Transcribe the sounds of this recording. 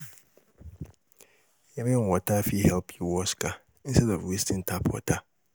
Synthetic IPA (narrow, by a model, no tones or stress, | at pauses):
jɛmɪŋwɔtʰafihɛlpʰiwɔska | sɛdɔfwistʰɪ̃ntʰapʰwɔ̰tʰa